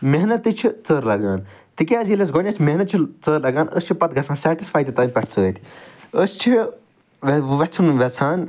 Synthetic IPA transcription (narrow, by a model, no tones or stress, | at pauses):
meɦnɐt̪ːit͡ʃʰit͡səːɾlɐɡaːn | t̪ikʲaːzilɐs̬ɡonʲɐt͡ʃʰmeɦnɐt̪t͡ʃʰit͡səːɾlɐɡaːnəst͡ʃʰipɐt̪̚ɡʱɐsaːnsɛːʈisfaːjt̪it̪ɐːmpɐʈʰt͡səːt̪ʰi̥əst͡ʃʰi | ʋʋet͡sʰunʋet͡sʰaːn